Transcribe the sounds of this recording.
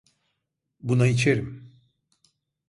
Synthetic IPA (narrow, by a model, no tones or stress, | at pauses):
bunait͡ʃʰeɾim